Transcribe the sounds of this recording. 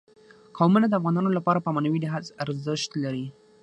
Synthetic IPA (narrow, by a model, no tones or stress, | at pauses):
kɑwmənad̪əafɣɑnɑnolapɑɾapəmanawid̪əɦazaɾzəʃt̪laɾi